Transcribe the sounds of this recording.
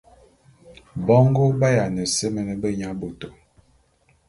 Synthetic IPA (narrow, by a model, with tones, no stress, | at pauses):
bɔ˦ŋɡo˦ba˦ja˨nə˨sə˦mə˨nə˦bə˦ɲa˦bo˨to˨